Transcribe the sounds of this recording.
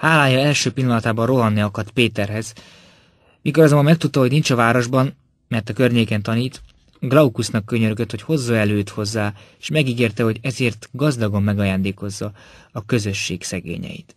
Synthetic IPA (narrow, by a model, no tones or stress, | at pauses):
haːlaːjɒɛlʃøːpilːɒnɒt̪aːbɒnro̞ɦɒnːiɒkɒrt̪peːt̪ɛrɦɛz | mikoɾɒzomːbɒmɛk̚t̪ut̪ːɒɦo̞ɟnint͡ʃɒvaːɾo̞ʒbɒn | mɛrt̪ɒkø̞rɲeːkɛnt̪ɒniːt̪ | ɡlɒukusnɒkːøɲøɾøɡøt̪ho̞cho̞zːɒɛløːt̪hozːaːe̥ʃmɛɡiɡeːrt̪ɛɦo̞ɟɛzeːrt̪ɡɒzd̪ɒɡo̞mːɛɡɒjaːnd̪eːko̞zːɒ | ɒkø̞zø̞ʃːeːksɛɡḛːɲɛ̰jḭt̪